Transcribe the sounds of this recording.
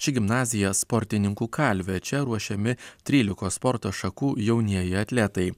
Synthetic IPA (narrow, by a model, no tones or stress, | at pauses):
t͡ʃʲɪɡʲɪmnɑːzʲɪjɛspɔɾʲt̪ʲɪnʲɪŋkuːkɐlʲʋʲɛt͡ʃʲɛɾuɔʃʲɛmʲɪt̪ʲɾʲiːlʲɪkoːspɔɾt̪oʃɐkuːjɛʊnʲiɛjɪɐt̪ʲlʲɛt̪ɐɪ